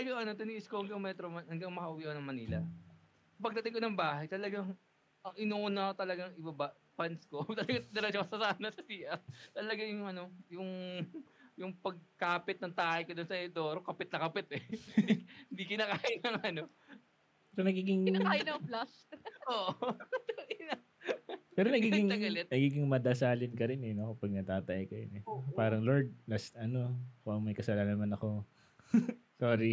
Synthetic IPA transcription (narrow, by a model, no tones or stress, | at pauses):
t̪ɐlɐɡaŋʔɐno̞t̪ɪniːʔɪskohɐŋɡaŋmɛt̪ɾomɐnhɐŋɡɐŋmɐkɐʔʊwiʔɐkonɐŋmɐnḭːlɐ̰ | pɐɡ̚d̪ɐt̪ɪŋkonɐŋbaːhɐjt̪ɐlɐɡaŋ | ʔɐŋʔɪnuːʔuːnakot̪ɐlɐɡaŋɪbɐba | pɐnskot̪ɐlɐɡaɪd̪ɐɾɐd͡ʒokɐsɐsaːnɐsɐsiːʔɐp̚t̪ɐlɐɡaŋjʊŋʔɐno̞jʊŋ | jʊŋpɐɡ̚kaːpɪt̪̚nɐŋt̪aːʔɐjkod̪ʊnsɐhɛd̪oːɾokɐpɪt̪̚nɐkɐpɛt̪ɛ | hɪnd̪ikɪnakaːjɪnɐŋɐno̞ | ppɛːɾonɐɡiːɡɪŋakaːjɪnɐblɐs | oːʔt̪nɐ | pɛːɾonɐɡiːɡɪŋɡɐlɛt̪̚nɐɡiːɡɪŋmɐd̪ɐsaːlɪnkɐɾɪnɛnokɐpɐɡ̚nɐt̪aːt̪ɐʔɪkɐjonɛpaːɾɐŋloɹd̪̚lɐsʔɐno̞koʔɐŋmɐjkɐsɐlaːnɐnmɐnɐko̞ | soːɾi